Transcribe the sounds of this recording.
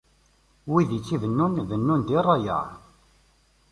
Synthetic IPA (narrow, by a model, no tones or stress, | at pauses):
wiðit͡sːivənːunðənːund̪irˤːɑjə̰